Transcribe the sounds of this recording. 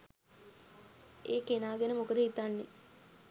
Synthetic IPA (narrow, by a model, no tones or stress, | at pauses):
eːkenaːɡenəmukəd̪əɦit̪anːe